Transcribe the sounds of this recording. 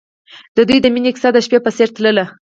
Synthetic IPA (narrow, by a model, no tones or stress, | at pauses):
d̪əd̪ujd̪əminʲeksad̪aʃpepəseɾt̪ləla